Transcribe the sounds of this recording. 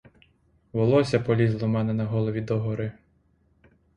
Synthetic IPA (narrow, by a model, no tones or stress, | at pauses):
ʋɔlˠɔsʲɐpɔlʲizlˠɔmɛnɛnɐɦɔlˠɔʋʲid̪ɔɦɔɾɪ